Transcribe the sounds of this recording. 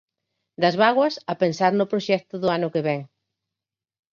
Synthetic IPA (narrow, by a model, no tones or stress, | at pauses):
d̪ɐzβaɣwɐsɐpensaɾnʊpɾoʃɛk̚t̪ʊðʊanʊkeβɛŋ